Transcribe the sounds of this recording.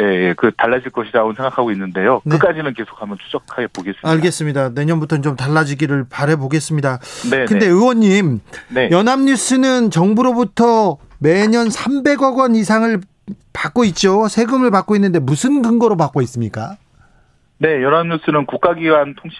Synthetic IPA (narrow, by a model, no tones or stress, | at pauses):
nejekɯtaɭːad͡ʑiɭk͈ʌɕʰidaonsʰe̞ŋɡakʰaɡoinːɯnde̞jonɯk͈ad͡ʑinɯnke̞sʰo̥kʰamjʌnt͡ɕʰu̥d͡ʑʌkʰaɡe̞poɡe̞s͈ɯaɭɡe̞s͈ɯmɲidane̞ɲʌnbutʰʌt͡ɕomtaɭːad͡ʑiɡiɾɯɭpaɾɦe̞boɡe̞s͈ɯmɲidanekɯnde̞ɯwʌɲːimnjʌnɦamɲus͈ʰɯnɯnt͡ɕʌŋbuɾobutʰʌme̞ɲʌnsʰambe̞ɡʌɡwʌnisʰaŋɯɭ | pak͈oit̚t͡ɕ͈osʰe̞ɡɯmɯɭpak͈oinːɯnde̞musʰɯnɡɯŋɡʌɾopak͈ois͈ɯmɲik͈a | ne̞jʌnɦamɲus͈ɯnɯnkuk͈aɡiɡantʰoŋɕʰ